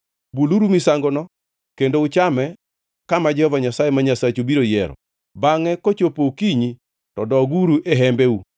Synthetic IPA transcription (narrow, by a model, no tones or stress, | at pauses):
buluɾumisaŋɡonɔ | kendoʊt͡ʃamɛ | kamad͡ʒɛhɔvaɲasajemaɲasat͡ʃobiɾojɛɾɔ̰ | baŋɛkot͡ʃopokiɲi | tɔdɔɡuɾuʔeɦɛmbeu